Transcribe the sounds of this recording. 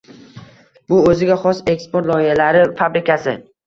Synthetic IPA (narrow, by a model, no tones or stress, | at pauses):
bʊɵzɪɡʲaχɒse̞kspoɾt̪lˠɒɪhalaɾɪfabɾɪkʲʰasɪ